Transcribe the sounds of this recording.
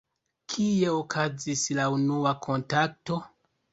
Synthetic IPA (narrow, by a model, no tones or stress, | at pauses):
kʰie̞okʰazislaunuakʰo̞ntak̚to̞